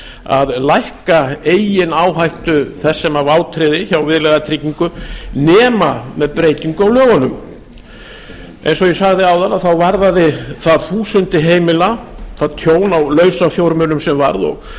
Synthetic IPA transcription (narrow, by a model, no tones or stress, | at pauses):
a̰ðlajhkaeːjɪnaːwɦajht̪ʏθɛsːɛmavaːwt̪ʰɾɪðɪçawvɪðlɛɣat̪ʰɾiciŋkʏnɛːmamɛðpɾeːjt̪iŋkʏawlœːvanʏm | ʔɛḛjnsɔjɛsaɣðɪawðanaðθawvaɾðaðɪθaðθuːsʏnt̪ɪɦeːjmɪlaθaðt̪ʰjoːwnawlœːɥsafjowɾmʏnʏmsɛmva̰ɾðɔ̰ɣ